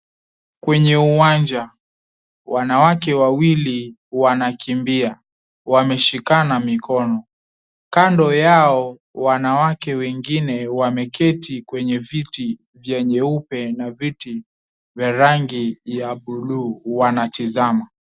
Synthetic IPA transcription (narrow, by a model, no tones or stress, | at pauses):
kwɛɲɛuwand͡ʒa | wanawakɛwawili | wanakʰimbia | wamɛʃikanamikɔnɔ | kandɔjaɔ | wanawakɛwɛŋɡinɛwamɛkɛtikwɛɲɛviti | vjɛɲɛupɛnaviti | vjaɾaŋɡijaɓuluːwanatizama